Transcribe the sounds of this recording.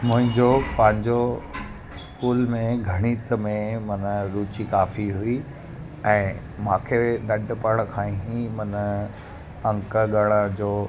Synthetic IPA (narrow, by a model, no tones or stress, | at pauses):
mʊ̃ɦɪ̃ɲd͡ʑopɐ̃ɦɪ̃ɲd͡ʑo | ɪskuːlmẽɡʱɐɽ̃iːt̪əmẽmɐnəɾuːt͡ɕikaːfiɦui | ɛ̃ː | mãːkʰeɗɐɖpəɽ̃kʰãːĩɦĩmɐnə | ɐ̃ŋkəɠɐɽ̃əd͡ʑoː